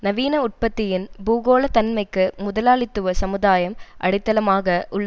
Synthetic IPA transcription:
nɐʋiːnɐʊʈ̚pɐt̪ːɪjɪnbuːɣoːlɐt̪ɐnmɐɪkːɯmʊðɐlaːɭɪt̪ːɯʋɐsɐmɯðaːjɐmʔɐɽɪt̪ːɐlɐmaːɣɐʔʊɭːɐ

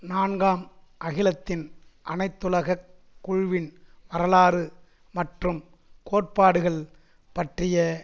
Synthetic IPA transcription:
naːnɡaːmʔɐɣɪlɐt̪ːɪnʔɐnɐɪt̪ːɯlɐɣɐkː | ʊɻʋɪnʋɐɾɐlaːɾɯ | mɐʈrɯm | koːʈ̚paːɽɯɣɐɭ | pɐʈrɪjɐ

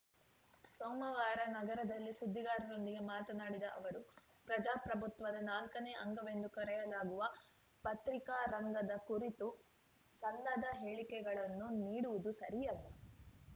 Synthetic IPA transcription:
soːmɐʋaːɾɐnɐɡɐɾɐd̪ɐlːisud̪ʱːiɡaːɾɐɾo̞nd̪iɡemaːt̪ɐnaːɽid̪ɐʔɐʋɐɾu | pɾɐd͡ʒaːpɾɐbʱut̪ʋɐd̪ɐnaːlkɐneʔɐŋɡɐʋe̞nd̪ukɐɾɛjɐlaːɡuʋɐ | pɐt̪ɾikaːɾɐŋɡɐd̪ɐkuɾit̪u | sɐlːɐd̪ɐɦeːɭikɛɡɐɭɐnːuniːɽuʋud̪usɐɾijɐlːɐ

